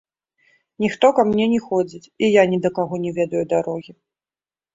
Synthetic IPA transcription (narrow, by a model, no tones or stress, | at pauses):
nʲixt̪ɔkamnʲɛnʲɛxɔd͡zʲit͡sʲijanʲɛd̪ɐkaɣɔnʲɛvʲɛd̪ɐjud̪aɾɔɣʲi